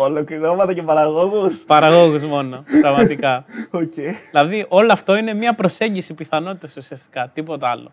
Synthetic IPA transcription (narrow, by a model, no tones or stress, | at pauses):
olo̞kliɾo̞mɐt̪ɐce̞pɐɾɐɣo̞ɣuspɐɾɐɣoɣuzmo̞nopɾɐɣmɐt̪ikɐocejilɐðiʔo̞loɐft̪o̞ine̞mɲɐpɾo̞se̞ɲɟisipiθɐno̞t̪it̪ɐsusiɐst̪i̥kɐt̪ipo̞t̪eɐlo̞̰